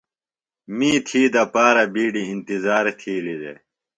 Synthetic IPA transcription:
miːt̪ʰiːd̪ɐpaːɾɐbiːɖiːnt̪izaːɾet̪ʰiːlid̪ḛː

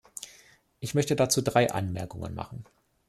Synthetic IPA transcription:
ʔɪçmœçtədat͡suːdʁaɪʔa̰nmɛɐkʊŋə̰nma̰χn̩

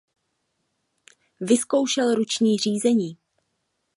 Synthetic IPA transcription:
vɪsko̞wʃɛlɾut͡ʃɲiːr̝iːzɛɲiː

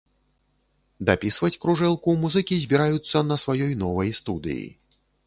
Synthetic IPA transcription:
d̪apʲisvɐt͡sʲkɾuʐɛlˠkumuzɨkʲizʲbʲiɾajut̪sːɐnɐsvajɔjnɔvɐjst̪ud̪ɨ̰jḭ

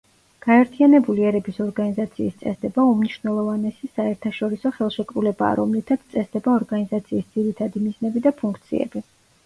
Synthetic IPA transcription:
ɡ̥aɛɾt̪ʰianɛbuliɛɾɛbisɔɾɡanizat̪sʰiːst̪sʼɛsd̪ɛbaumniʃvnɛlˠɔvanɛsisaɛɾt̪ʰaʃɔɾisɔχɛlˠʃɛkʼɾulɛba̰ːɾɔmlit̪ʰat̪st̪sʼɛsd̪ɛbaɔɾɡanizat̪sʰiːsd̪z̥iɾit̪ʰad̪imiznɛbid̪apʰuŋkʰt̪sʰḭɛ̰bi

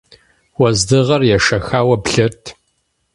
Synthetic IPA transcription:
wɐzdɨʁɐrjɛʂɐxaːwɐbɬɨrtʰ

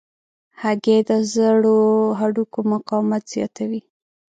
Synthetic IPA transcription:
haɡed̪əzəɽoɦaɖukomaqɑmat̪z̥jɑ̰t̪ʰawi

